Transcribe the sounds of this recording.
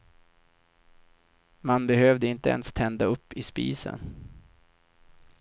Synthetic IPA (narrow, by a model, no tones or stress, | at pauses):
manbɛhøːvd̪əɪnt̪əɛ̰nst̪ʰɛnd̪aɵpːɪspḭːsə̰n